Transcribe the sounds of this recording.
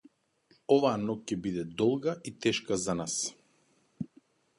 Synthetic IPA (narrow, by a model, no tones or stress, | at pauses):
ɔvaanɔkcɛbid̪ɛd̪ɔlˠɡaʔit̪ɛʃkazanas